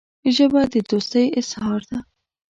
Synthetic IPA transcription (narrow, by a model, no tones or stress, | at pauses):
ʒəbad̪əd̪ost̪əjɪshɑɾd̪a